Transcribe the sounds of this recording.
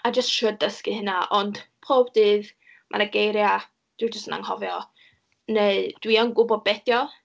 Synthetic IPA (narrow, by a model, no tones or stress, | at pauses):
ad͡ʒəstʃʊdəskɨhɪnaʔɔnd̥pʰroːbdɨːð | mʔa̰naɡejɾja | d̥ɪd͡ʒəstna̰ŋhɔvjɔ | neɨd̥wianɡʊbɔd̚bɛdjɔ